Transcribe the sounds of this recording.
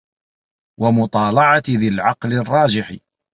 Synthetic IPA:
wʔamʊt̪ˤɑːlɑʕɑt̪ðɪlʕɑqlɪrˤːɑːd͡ʒɪħɪ

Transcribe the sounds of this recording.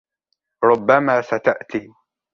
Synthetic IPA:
ɾˤʊbːamaːsat̪aʔt̪iː

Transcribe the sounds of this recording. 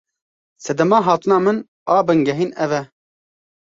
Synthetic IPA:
sɛd̪ɛmɑːɦɑːt̪ɨnɑːmɨn | ɑːbɨŋɡɛɦiːnɛvɛ

